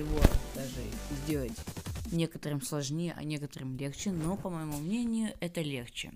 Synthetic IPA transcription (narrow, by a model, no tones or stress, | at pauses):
ɪvod̪aʐɨ̰zʲdʲelˠətʲnʲe̞kət̪əɾɨmslˠɐʐnʲejəʔɐ̰nʲe̞kət̪ərɨmlʲext͡ɕɪnopəməjɪmumnʲenʲɪjʊʔɛt̪əlʲe̞xt͡ɕɪ̰